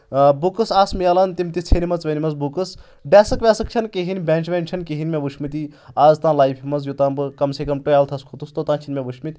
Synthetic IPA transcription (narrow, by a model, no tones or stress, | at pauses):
bukɨsaːsmijaːlɐnt̪imt̪it͡sʰenimɐt͡sʋɐnʲimɐzbukɨs | ɖɛːsɨkʋʲɛːsɨkt͡ʃʰɐnkeɦinʲbʲɛːnt͡ʃʰʋʲeːnʲt͡ʃʰɐnkeɦinʲmeʋuʃʰmit̪iaːzt̪ãːlaːjpʰimɐzjut̪ãːbɨkɐmseːkɐmʈojaːlt̪ʰɐskʰut̪ust̪ot̪ãːt͡ʃʰinʲmʲeʋuʃʰmit̪ʲ